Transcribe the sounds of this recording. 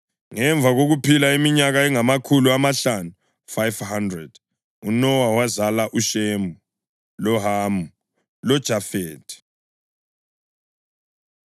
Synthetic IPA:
ŋɛɱbvʱaɣoɣupʰilaimiɲaɣaɛŋamakʰuluamaɬanu | fajvhandrɛd̥ | unɔwawazalaʔuʃemu | lɔɦamu | lɔd̥ʒ̥ʱafeːdʰʼi̥

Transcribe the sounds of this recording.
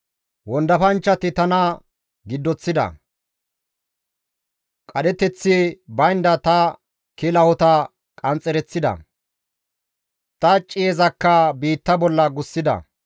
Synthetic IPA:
wɔnd̪ɐfɐnt͡ʃːɐt̪ɪt̪ɐnɐ | ɡɪd̪ːɔt͡sːɪd̪ɐ̰ | kʼɐɗɛt̪ɛt͡sːɪbɐjnd̪ɐt̪ɐ | kɪlɐhɔt̪ɐ | kʼɐnt͡sʼɛɾɛt͡sːɪd̪ɐ̰ | t̪ɐt͡ʃʼːɪjɛzɐkːɐbiːt̪ːɐbɔlːɐɡʊsːɪd̪ɐ̰

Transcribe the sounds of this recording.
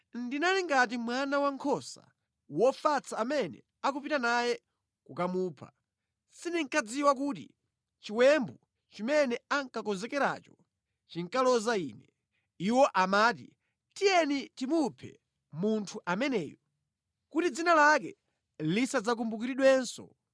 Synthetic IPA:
ndinaliŋɡatimwanawaŋkʰɔsa̰ | wɔfat͡sʰaːmɛnɛ̰ | akupitanajɛ | kukamuːpʰa̰ | siniŋkad͡ziwakuːtḭ | t͡ʃiwɛmbu | t͡ʃimɛnɛaŋkakɔnzɛkɛɾa̰t͡ʃɔ | t͡ʃiŋkalɔzaiːnɛ | iwɔʔamaːt̬ḭ | tijɛnitimupʰɛ̰ | muntʰuʔamɛnɛ̰ːjɔ | kutid͡zinalak̬ɛ̰ | lisad͡zak̬umbuk̬iɾiɗwɛnsɔ̰

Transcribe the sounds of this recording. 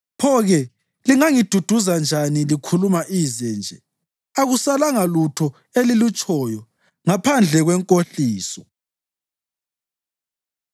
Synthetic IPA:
pʰɔɣɛ | liŋaŋid̥ʱud̥ʱuzand͡ʒʱanilikʰulumaʔizɛnd͡ʒʱɛ | aɣusalaŋalutʰɔ | elilut͡ʃʼɔːjɔ | ŋapʰand͡ɮʱɛɣwɛŋkʼoɬiːsɔ

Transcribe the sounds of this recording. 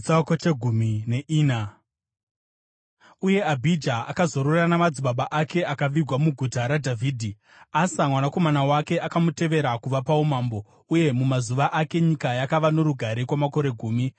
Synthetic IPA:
t͡sakot͡ʃeɡʱumineʔiːna | uje̞abʱid͡ʒaakazo̞ɾoranamad͡ziɓaɓaʔake̞ʔakaʋiɡʱwamuɡʱutaɾadʱavʱiːdʱi | asamwanako̞manawake̞ʔakamute̞ʋe̞ɾakuʋapaumaːmbo̞ | uje̞mumazuʋaʔake̞ɲikajakaʋano̞ɾuɡʱaɾekwamako̞ɾe̞ɡʱuːmi

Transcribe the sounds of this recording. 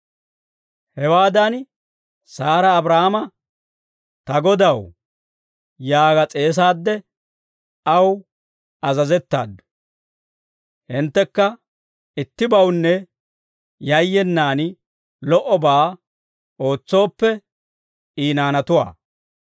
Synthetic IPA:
hɛwaːd̪ɐn | saːɾɐːbɾahamɐ | t̪ɐɡɔd̪ɐw | jaːɡɐt͡sʼe̞ːs̬aːd̪ːɛ | ɐw | ɐzɐzɛt̪ːa̰ːd̪ːʊ̥ | hɪnt̪ːɛkːɐ | ɪt̪ːɪbɐwnːɛ | jɐjːɛnːaːn | lɔʔɔbaː | o̞ːt͡sːo̞ːpːɛ | iːnaːnɐt̪ʊwa̰ː

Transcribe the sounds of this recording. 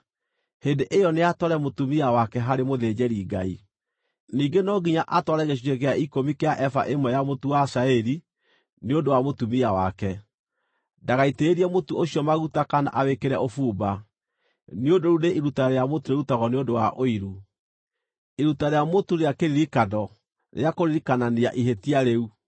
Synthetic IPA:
heːndeʔejɔneatɔɾɛmotumiawakɛɦaɾemoðeːd͡ʑɛɾiɡai | niːŋɡenɔɡiɲaʔatwɔɾɛɣeʃ̬iɾeɣeaikomikeaʔɛfa̰ʔemɔjamotuwasaɛɾi | neondowamotumiawa̰kɛ | daɣaiteːɾiɛmotuoɕiɔmaɣutakana̰ʔawekeɾɛofuːba | neodoɾuneʔiɾutaɾejamotuɾeutaɣɔneodowaʔoiɾu | iɾutaɾejamotuɾeakeɾiɾikadɔ | ɾʔḛakoɾiɾikananeaʔiɦetiaɾeu

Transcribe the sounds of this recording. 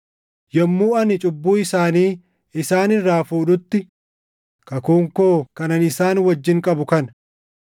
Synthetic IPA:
jɐmːuːɐnɪt͡ʃʼʊbːuːɪsaːniː | ɪsaːnɪrːaːfuːᶑʊt̪ːɪ | kɐkuːŋkoːkɐnɐnɪsaːnwɐd͡ʒːɪŋkʼɐbʊkɐn

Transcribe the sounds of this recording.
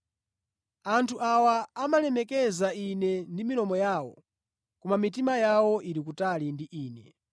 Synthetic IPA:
antʰuʔawaːmalɛmɛkɛzainɛndiminɔmɔjaːwɔ̰ | kumamit̬imajawɔʔiɾik̬utalindiʔiːnɛ̰

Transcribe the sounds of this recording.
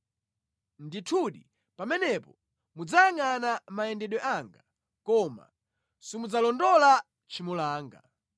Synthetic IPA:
nditʰuɗi | pamɛnɛpɔ | mud͡zaŋanamaɛndɛɗwɛʔaŋɡa | kɔma̰ | simud͡zalɔndɔla | t͡ʃʰimulaːŋɡa̰

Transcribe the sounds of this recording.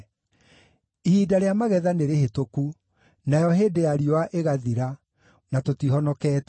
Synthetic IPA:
ihiːdaɾeamaɣɛðaneɾehetoku | najɔɦeːdejaɾiowaʔeɣaðiɾa | natotihɔnɔkɛːt

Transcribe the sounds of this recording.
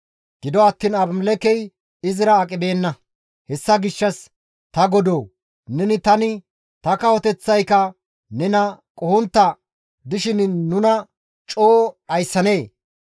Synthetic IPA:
ɡ̥ɪd̪ɔɐt̪ːiːnɐbmlɛkɛj | ɪzɪɾɐːkʼɪbe̞ːnːɐ | hɛsːɐɡɪʃːɐs | t̪ɐɡɔd̪oː | nɛnɪt̪ɐnɪ | t̪ɐkɐwɔt̪ɛt͡sːɐjkɐ | nɛnɐkʼɔhɔnt̪ːɐ | d̪ɪʃɪnːʊnɐ | t͡ʃʼoːɐjsːɐne̞ː

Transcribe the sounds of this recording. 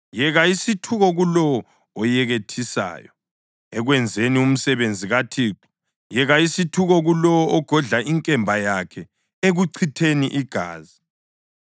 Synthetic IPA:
jɛɣaisitʰuɣɔɣulɔwɔ | ɔjɛɣetʰisa̰ːjɔ | ɛɣwɛnd͡zʱenium̩sɛβend͡zʱiɣatʰiːǃu̥ | jɛɣaisitʰuɣɔɣulɔwɔʔɔɡ̥ʱɔɮaiŋkʼɛmbʱajakʰɛ | eɣuǀʰitʰeniʔiɡ̥ʱa̰ːzi

